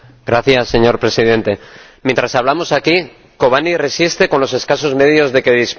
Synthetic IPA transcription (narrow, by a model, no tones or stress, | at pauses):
ɡɾaθjasːe̞ɲo̞ɾpɾe̞sið̞e̞nt̪e̞ | mjent̪ɾasaβlamo̞saki | ko̞β̞anire̞sist̪e̞ko̞nlo̞se̞skaso̞zme̞ðjo̞zðe̞ke̞ðisp